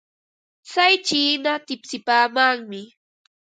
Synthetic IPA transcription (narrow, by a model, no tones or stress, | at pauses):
sajt͡ʃiːnat̪ɪpsɪpaːmaŋmɪ